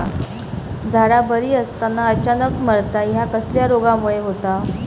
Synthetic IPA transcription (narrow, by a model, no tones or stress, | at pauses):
d͡zʱaɽabəɾiːəst̪anːaət͡ɕanəkməɾt̪aɦjakəsljaɾoɡamuɭeɦot̪a